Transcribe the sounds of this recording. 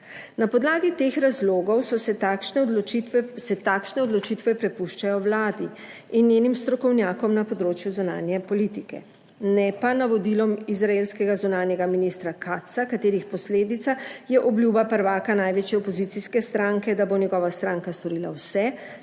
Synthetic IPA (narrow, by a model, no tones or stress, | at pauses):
napɔd̪laːɡit̪eːxɾazloːɡɔwsɔsʃnɛ | sɛt̪aːkʃnɛɔd̪lɔt͡ʃit̪ʋɛpɾɛpuʃt͡ʃajɔwlaːd̪i | injenimst̪ɾɔkɔwnjaːkɔmnapɔd̪ɾoːt͡ʃjuzuna̰ːnjɛpɔliːt̪ikɛ̰ | nɛpanaʋɔd̪ilɔmizɾaeːlskɛɡazunaːnjɛɡaminist̪ɾakʰat̪sakat̪eːɾixpɔsleːd̪it̪sajɛʔɔbljuːbapəɾʋaːkanajʋeːt͡ʃjɛɔpɔzit̪siskɛst̪ɾaŋkɛd̪abonɛɡɔːʋast̪ɾaːŋkast̪ɔɾiːla̰wsɛ